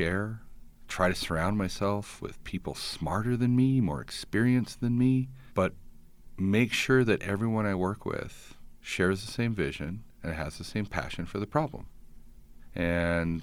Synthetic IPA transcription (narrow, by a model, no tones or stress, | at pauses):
ɛɹ | tʰɹ̥aɪɾɨsə˞ãʊ̃ndmaɪsɛlˠfwɪ̰ð̥pʰipl̩ˠsmɑɹɾə˞ðɨ̃nmimɔ̰ɹɨ̰kspɪɹiɨ̃nsðɨ̃nmi | b̥ʌt̚ | meɪkʃʊɹðɨɾʔɛ̰vɹiwʌ̃ñaɪwɜ˞kʰwɪ̰ð̥ʃɛɹzðɨsẽɪ̃ɱvɪʒɨ̃nɨ̃nɨzðɨsẽɪ̃mpʰæ̰ʃɨ̃nfə˞ðɨpʰɹ̥ɑblə̰̃m | ʔɨ̃n